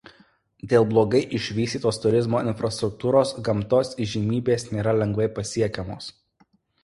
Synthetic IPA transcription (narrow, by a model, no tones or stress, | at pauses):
d̪ʲeːlˠblˠoːɡɐɪʔɪʃʲʋʲiːsʲt̪ʲiːt̪oːst̪ʊɾʲɪzmoːɪnʲfɾɐst̪ɾʊk̚t̪uːɾoːsɡɐmt̪oːsɪʒʲimʲiːbʲeːsnʲeːɾɐlʲɛŋɡʋɐɪpɐsʲiɛkʲɛmoːs